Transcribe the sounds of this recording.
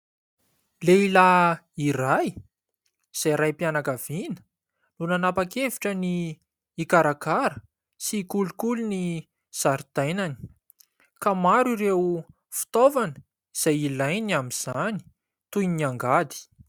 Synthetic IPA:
leila | iraj | z̥ajɾajpianakavinə̥ | lunanapakeviʈ͡ʂəniː | kaɾakaɾə | sikulukuluni | z̥aɾid̪̥ajnani̥ | kamaɾiɾew | fi̥t̪ovanə | iz̥ajilajnamiz̥ani̥ | t̪ujniaŋɡad̪i̥

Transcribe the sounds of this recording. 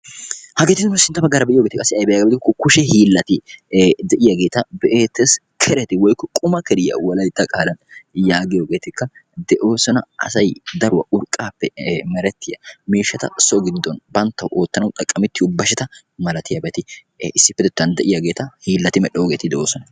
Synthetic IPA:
hɐɡeːt̪ɪd̪nʊsɪnt̪ːɐbɐɡːaːɾɐbɛʔɪjoɡeːt̪ɪkʼːɐsːɪɐjbɛjaɡɐbd̪ɪkːɔkʊʃɛhiːlːɐt̪ɪd̪ɛʔɪjɐɡe̞ːt̪ɐbɛʔeːt̪ːɛs | kʰɛɾɛt̪ɪwɔjkːɔkʼʊmɐkɛɾɪjɐ̰wɐlɐjt̪ːɐkʼaːlɐnjaːɡɪjoːɡe̞ːt̪ɪkːɐd̪ɛʔo̞ːsɔnɐʔɐ̰sɐjd̪ɐɾʊwɐ̰ʔʊɾkʼːaːpːɛmɛɾɛt̪ːɪjɐmiːʃːɐt̪ɐ̰sɔɡɪd̪ːɔnbɐnt̪ːɐwʔoːt̪ːɐnɐwt̪ʼɐkʼːɐmɪt̪ːɪʊbːɐʃɛt̪ɐ | mɐlɐt̪ɪjɐbɛt̪ɪ | ɪsːɪpːɛd̪ɛt̪ːɐnd̪ɛʔɪjɐɡe̞ːt̪ɐhiːlːɐt̪ɪmɛɗːɛjoɡeːt̪ɪd̪ɛʔo̞ːsɔnɐ

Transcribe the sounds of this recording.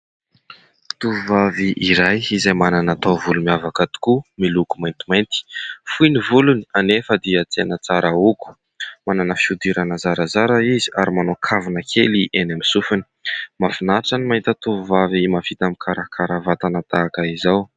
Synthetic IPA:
t̪uvuvaviʔiɾajizajmananat̪avulumiavakat̪u̥kumilukumajnt̪i̥majnt̪i̥fujnivuluni̥anefəd̪iət͡seanət͡saɾauku̥ | mananəfiud̪iɾanəzaɾazaɾaizia̰ɾimanokʰavunəkʰeliʔenamisufuni̥mafinaʈ͡ʂanimaint̪ət̪uvuvavimafit̪amikʰaɾakʰaɾavat̪anat̪aːkəizaw

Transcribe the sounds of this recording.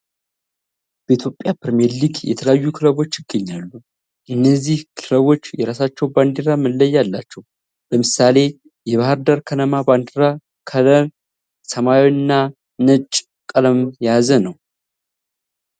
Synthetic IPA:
bəit̪ʰjo̞pʼːjapɾmɛliɡjɛ̰t̪ʰələjajːukʰɨləβo̞t͡ʃːɪɡːəɲːalːu | ʔɨnːəzːihkʰɨləβo̞t͡ʃːjɛɾasat͡ʃːɛwband̪iɾaməlːəjːalːat͡ʃːɛw | bəmɨsale̞ | jɛβahəɾd̪əɾkʰənəmaband̪ɾa | kʰələɾ | səmawinːa | nət͡ʃʼ | kʼələmjazənəw

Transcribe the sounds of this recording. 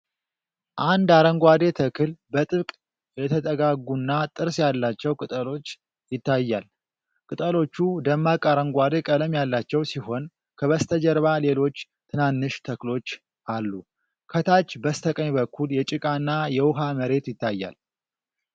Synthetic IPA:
ʔand̪aɾəŋɡʷad̪e̞t̪ʰəkʰɨlbət̪ʼɨβkʼ | jɛt̪ʰət̪ʼəɡaɡunːat̪ʼɨɾsjalːat͡ʃːɛwkʼɨt̪ʼəlo̞t͡ʃː | jɪt̪ːajːal | kʼɨt̪ʼəlo̞t͡ʃːud̪əmːakʼaɾəŋɡʷad̪e̞kʼələmjalːat͡ʃːɛwsiɦo̞n | kʰəβəst̪ʰəd͡ʒəɾβale̞lo̞t͡ʃː | t̪ʰɨnanːɨʃt̪ʰəklo̞t͡ʃː | ʔalːu | kʰət̪ʰat͡ʃːbəst̪ʰəkʼəɲbəkʰːuljɛt͡ʃʼɨkʼanːajɛwʊɦaməɾe̞t̪jɪt̪ːajːa̰l

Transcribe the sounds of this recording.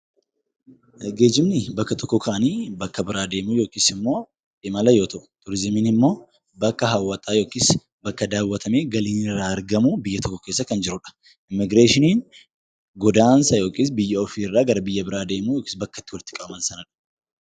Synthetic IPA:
ɡe̞ːd͡ʒɪmnɪbɐkːɐt̪ʰɔkːɔkʰɐʔɐniːbɐkːɐbɪɾaːd̪e̞ːmuːjo̞ːkʼiːsɪmːo̞ː | ᶑɪmɐlɐjo̞ːt̪ɐʔʊ̥t̪ʊɾɪzɪmɪnɪmːo̞ː | bɐkːɐɦɐwːɐt̪ʼaːjo̞ːkiːs | bɐkːɐd̪aːwːɐt̪ʰɐme̞ːɡɐliːnɪrːaːɐɾɡɐmuːbɪjːɐt̪ɔkːɔkeːs̬ːɐkɐnd͡ʒɪɾʊᶑɐ̥ | ʔɪmːɪɡɾeːʃɪniːn | ɡɔd̪aːnsɐjo̞ːkʼiːs̬bɪjːɐɔfiːɪrːaːɡɐɾɐbɪjːɐbɪɾaːd̪e̞ːmuːjoːkʼi̥ːsbɐkːɐ̥t̪ːɪwɐlt̪ɪ̥kʼɐʔɐmɐnsɐnɐᶑɐ̥

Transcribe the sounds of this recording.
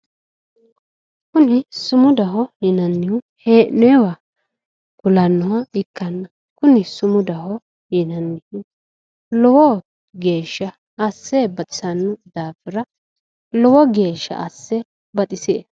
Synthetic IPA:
kʊnɪsʊmʊd̪ɐɦɔjɪnɐnːɪjʊ | heːʔnɛɛwa | kʊlɐnːɔwɐɪkːɐnːɐ | kʊnɪsʊmʊd̪ɐhɔ | jɪnɐnːɪjʊ | lɔwɔ | ɡe̞ːʃːɐː | sːebɐt̪ʼɪ̥sɐnːʊd̪aːfɪɾɐ | lɔwɔɡe̞ːʃːɐ̰ʔɐsːɛ | bɐt̪ʼɪseː

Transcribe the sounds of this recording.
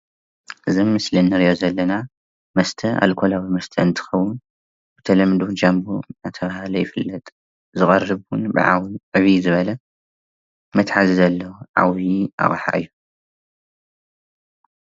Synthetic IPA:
ʔɨzimːɨslinːɨɾijozɐlːɐna | mɐst̪ʰɐʔa̰lkʰolawimɐst̪ʰɐɨnt̪ʰɨ̥xɐwːʊn | b̥ɨt̪ʰɐlɐmd̪ud͡ʒambunat̪ʰɐβahlɐjɪfɨlːɐt̪ʼ | zɨɣʼɐrːɨβwunbɨ̰ʕa̰wʕɨβizɨβɐlɐ | mɐt̪ħazizɐlːɐwuʕa̰wiʔa̰χʼħa̰ʔɨjːu

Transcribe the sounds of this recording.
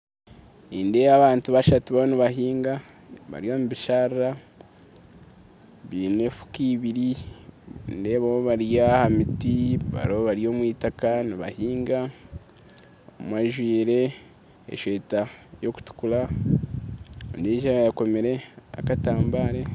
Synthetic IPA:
niːndeβaβaːntuβaʃatuβaoniβaɦiːŋɡa | βa̰ɾijomuβiʃaɾiɾa | βiːne̞fu̥kiβiɾi | nde̞ːβawoβaɾijahamitiβa̰ɾoβoβaɾijo̞ːmwiːtakaniβa̰hiːŋɡa | o̰mwaʒwiːɾe̞ | ḛʃwe̞ːtajo̞ku̥tu̥kula | ndeʒaβajako̞meɾe̞a̰kataːmbaːɾe̞

